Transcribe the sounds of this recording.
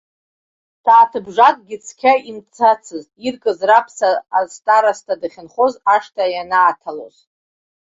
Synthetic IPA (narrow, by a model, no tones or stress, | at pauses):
d̥aːtʰɨbʐakʼɡʲɪt͡sʰkʲʰaimt͡sʰat͡sʰɨz | irkʼɨzrapʰsaːstʼaɾastʰadaχʲɪnχo̞zaʂtʰajanaːtʰalo̰z